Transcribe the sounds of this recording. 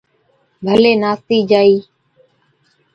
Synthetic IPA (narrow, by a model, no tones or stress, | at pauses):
bʱəleːnaːst̪iːd͡ʒaːiː